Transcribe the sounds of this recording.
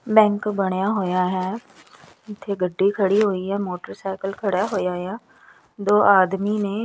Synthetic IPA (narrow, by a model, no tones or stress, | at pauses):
bɛ̃ːŋkbəɽ̃jaːɦoːjaːɦɛː | ɪt̪ʰːeːɡəɖːiːkʰəɽiːɦoːiːɦɛːmoːʈəɾsaːkəlkʰəɽjaːɦoːjaːjaː | d̪oːʔaːd̪miːnẽː